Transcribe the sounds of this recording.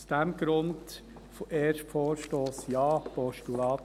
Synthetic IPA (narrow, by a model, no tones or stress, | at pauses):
sd̥æmɡ̥ɾʊnd | foʔeːʃtfɔːɾʃtoːsjɑːpɔʃtulɑːt